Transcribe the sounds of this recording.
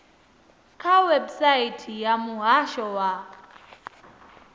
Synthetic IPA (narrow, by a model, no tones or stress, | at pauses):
kʰawɛbsaitʰijamuɦaʃɔwa